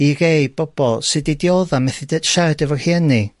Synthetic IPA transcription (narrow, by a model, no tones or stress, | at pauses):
iɾejb̥ɔb̥ɔlˠsɨdidjoðamɛθidɛd̥ʃadɛvɔrhɛni